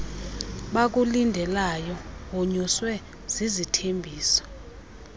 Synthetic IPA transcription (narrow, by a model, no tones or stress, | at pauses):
ɓak̬ulindʱɛlajɔɦoɲuswɛ | z̥izitʰembʱiːsɔ̥